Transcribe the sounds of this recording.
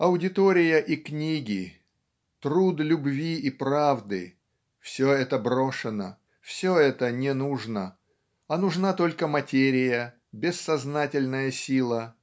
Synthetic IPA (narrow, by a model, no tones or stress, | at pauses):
ɐʊdʲɪt̪oɾʲɪjəʔiknʲiɡʲɪ | t̪ɾud̪lʲʊbvʲiʔipɾavd̪ɨ | fsʲoɛt̪əbɾo̞ʂɨnə | fsʲoɛt̪ənʲɪnuʐnə | ɐnʊʐnat̪o̞lʲkəmɐtʲeɾʲɪjə | bʲɪsːɐznatʲɪlʲnəjəsʲilˠə